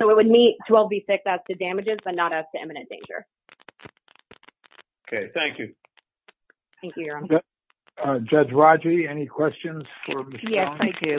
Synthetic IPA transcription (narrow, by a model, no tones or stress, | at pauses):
oʊɨt̚wɨd̚mittʰw̥ɛlˠvbisɪksæz̥tʰɨdæmɨd͡ʒɪzbʌtⁿnəɾɨz̥tʰɨɛ̰̃mɨnɨ̃ndḛ̃ɪ̃nd͡ʒə̰˞ | okʰeɪθæ̃ŋkjʉ | θæ̃ŋjɨ̃ʌ | d͡ʒʌd͡ʒɹɑd͡ʒiɛnikʰw̥ɛst͡ʃɨ̃nz̥fə˞mɨjɛsaɡɪ